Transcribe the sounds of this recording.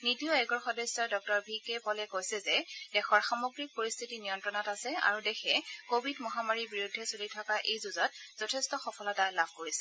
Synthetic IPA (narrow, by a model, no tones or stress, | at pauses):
nitiɔɛɡɔɹxɔdɔjsːɔɹdɔk̚tɔɹbʱikɛpɔlɛkojsɛzɛdɛxɔɹxamoɡɹik̚poɹist̪ʰitinijɔntɹɔnɔtasɛa̰ɹudɛxʰɛkobʱidmɔɦamaɹiɹbiɹudʱːɛsolitʰɔkaʔejzuzɔt̚z̥ɔtʰɛstɔxɔpʰɔlɔtalabʱkoɹisɛ